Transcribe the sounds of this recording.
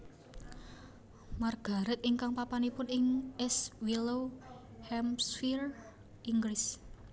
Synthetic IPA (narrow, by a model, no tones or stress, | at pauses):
marɡ̥a̤ɾɪt̪̚iŋkaŋpapanipʊnɪŋʔɛswilo | hɛmsfir | iŋɡɾɪs